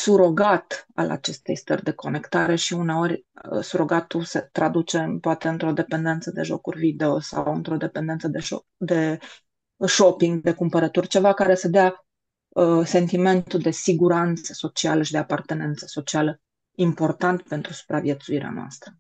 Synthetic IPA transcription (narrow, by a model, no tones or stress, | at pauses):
suɾo̞ɡat̪a̰la̰t͡ʃe̞st̪e̞jst̪ə̰rʲd̪e̞ko̞ne̞kt̪aɾe̞ʃiuneo̞rʲə̰suɾo̞ɡat̪uset̪ɾad̪ut͡ʃe̞mpoat̪e̞ɨnt̪ɾo̞d̪e̞pend̪e̞nt̪səd̪e̞ʒo̞kurʲvid̪e̞osa̰wɨnt̪ɾo̞d̪e̞pend̪et̪səd̪eo | d̪e̞ | ʃopiŋɡd̪e̞kumpəɾət̪urʲt͡ʃe̞vakaɾe̞səd̪ea | əse̞nt̪ime̞nt̪ud̪e̞siɡuɾant̪sə̥so̞t͡ʃialəʃid̪eapart̪e̞ne̞nt̪sə̥so̞t͡ʃialə | impo̞rt̪ant̪pe̞nt̪ɾusu̥pɾavje̞t̪suiɾea̰noa̰st̪ɾə